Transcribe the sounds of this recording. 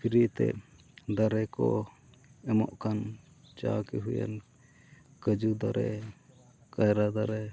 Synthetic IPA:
pʰiɾit̪ɛ̰ | d̪aɾɛkɔ | ɛmɔʔkan | t͡ʃakiɦuja̰n | kəd͡ʒud̪aɾɛ̰ | kajɾad̪aɾɛ

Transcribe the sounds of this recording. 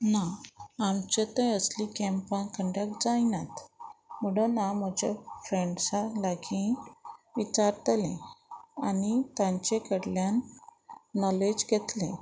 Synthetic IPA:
naamt͡ɕet̪ə̃əslikɛ̃mpãnkəɳɖəkʈd͡zajnat̪məɽənam̤əd͡ʑa̰fɾeɳɖsalaɡʰʱĩ | ʋit͡ɕaɾt̪lḛ̃anit̪jãɲt͡ɕekəɽljanː | ɔled͡ʑɡʱet̪lḛ̃

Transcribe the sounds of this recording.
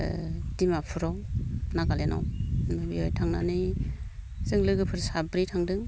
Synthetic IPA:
dimapʰɯɾɔwnaɡalenɔ̰wmabiɔjtʰaŋna̰nɯ | zɯŋlɯɡɯpʰɯɾsabɾitʰaŋdɯŋ

